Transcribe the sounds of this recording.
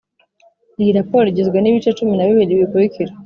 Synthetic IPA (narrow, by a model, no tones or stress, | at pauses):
iɾapɔɾiɟiziɡaniβit͡ʃɛtuminaβiwiliβikuɾikʰiɾa